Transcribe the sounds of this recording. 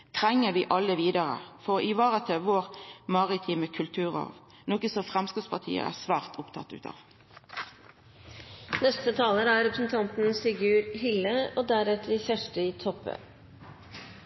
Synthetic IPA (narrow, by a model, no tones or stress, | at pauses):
t̪ʰʁɛŋːəʋiːʔɑlːəʋiːd̪əʁə̰fɔʁɪʋɑːʁət̪ʰɛʋoːʁmɑʁɪt̪ʰiːməkʰʉlt̪ʰʉːʁɑ̰ːʋ | noːkəsɔfʁɛmskəːspɑt̪ʰḭːə̰æ̰sʋæːʁt̪ʰʊpt̪ʰɑ̰t̪ːʉ̰ːt̪ʰɑ̰ːʋ | nɛst̪ət̪ʰɑːləɾæɾɾɛpɾəsn̩t̪ʰɑnt̪n̩sfɪɡʉːɾhɪlːəoːd̪æɾɛt̪əɖɪfæʂʈəɪːt̪ʰɔpːə̰